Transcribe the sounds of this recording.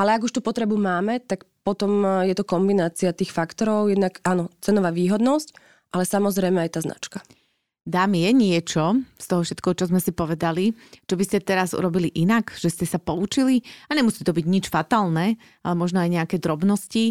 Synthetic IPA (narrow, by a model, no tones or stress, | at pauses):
ʔalɛaɡuʃt̪uːpɔt̪ɾɛbumaːmɛt̪akpɔt̪ɔmjɛt̪ɔkɔmbinaːt͡siat̪iːxfakt̪ɔɾɔʊjɛd̪naɡanɔt͡sɛnɔʋaːʋiːɦɔd̪nɔsc | ʔalɛsamɔzɾɛjmɛajɛt̪aːzna̰t͡ʃkḁ | d̪aːmijɛɲɪɛt͡ʃɔst̪ɔɦɔfʃɛt̪̚kɛɦɔt͡ʃɔzmɛsipɔʋɛd̪alit͡ʃɔbiscɛt̪ɛɾazṵɾɔbiliʔinakʒ̥ɛscɛsapɔut͡ʃiliaɲɛmusiːt̪ɔbiɟɲit͡ʃfat̪aːlnɛː | a̰lɛmɔʒnɔajɲɛakɛːd̪ɾɔbnɔsci